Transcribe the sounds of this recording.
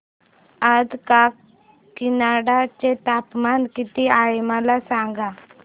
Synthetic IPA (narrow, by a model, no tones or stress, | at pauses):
əd̪ka | kinaɽat͡ɕet̪apmankit̪iajmalasãŋɡa